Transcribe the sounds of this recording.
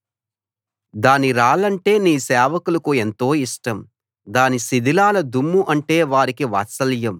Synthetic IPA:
d̪aːniɾaːlɐɳʈe̞ːniːsɛːʋɐkulɐkue̞nt̪o̞ːiʂʈɐm | d̪aːnisid̪ʱilaːlɐd̪umːuʔɐɳʈe̞ːʋaːɾikiʋa̰ːt̪sɐljɐm

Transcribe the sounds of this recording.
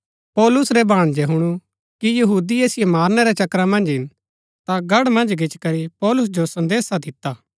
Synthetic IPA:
pɔːlʊsɾɛbʱaːɽ̃d͡ʒɛɦʊɽ̃u | kijɐɦuːd̪ieːsɪjɛmaːɾnɛɾɛt͡ʃɐkɾamɐ̃nd͡ʒɦɪn | t̪aɡɐɽmɐ̃nd͡ʒɡʱɪt͡ʃkɐɾipɔːlʊs̬d͡ʒosɐ̃nd̪eːsad̪ɪt̪aː

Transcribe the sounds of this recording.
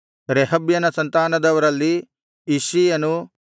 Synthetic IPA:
ɾeɦɐbjɐnɐsɐnt̪aːnɐd̪ɐʋɐɾɐlːiː | ʃiːjɐnu

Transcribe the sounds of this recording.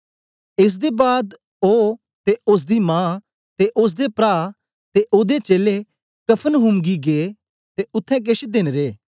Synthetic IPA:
ɪs̬d̪eːbaːd̪ | oː | t̪eʊs̬d̪iːmãː | t̪eːʔʊs̬d̪eːpɾaː | t̪eʔoːd̪eːt͡ʃeːleː | kəpʰənɦʊmɡiːɡeː | t̪eːʊt̪ʰːɛ̃ːk̬ɪʃd̪ɪnɾeː

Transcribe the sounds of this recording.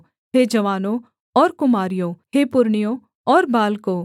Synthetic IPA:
ɦeːd͡ʒɐʋaːnõ | ɔːɾkʊmaːɾijõheːpʊɾɳijõ | ɔːɾbaːlkõː

